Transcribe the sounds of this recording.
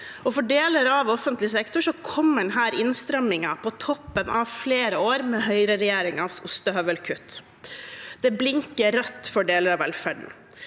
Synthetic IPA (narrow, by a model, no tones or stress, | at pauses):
ɔfɔɖeːləɾɑʋɔfənt̪lɪsɛkt̪ʊʂɔkʰɔmːənɦæːɾɪnst̪ɾɛmːɪŋɑpʰɔt̪ʰɔpːənʔɑʋfleːɾəoːɾmeːɦœʏɾəɾɛjeːɾɪŋɑsʊst̪əɦœʋəlkʰʉt̪ː | d̪̥ɛblɪŋkəɾœt̪ːfɔɖeːləɾɑʋɛlfæɖɳ̩